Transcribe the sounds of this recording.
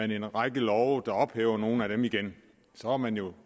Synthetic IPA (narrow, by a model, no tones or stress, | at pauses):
æne̝nʁaɡ̥əlɒʊd̥ɑ̈ɒ̽b̥hɛ̰ːʊɐno̝ːn̩æɾ̥emiɡ̥en | sɒ̽ɑmænjo̝